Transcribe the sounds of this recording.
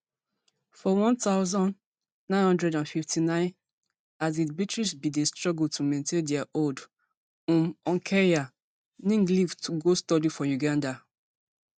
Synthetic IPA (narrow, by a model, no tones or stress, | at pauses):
fɔwɔ̃ntaʊzɔ̃n | nãɪ̃nhɔ̃ndɹɛdãnfiftʰinãɪ̃n | azibitɹisbidestɹɔɡultumẽntʰẽndɛaʔold | ũmɔ̃ŋkʰɛɹia | nĩŋɡlivtʰuɡostɔdifɔjuɡãnda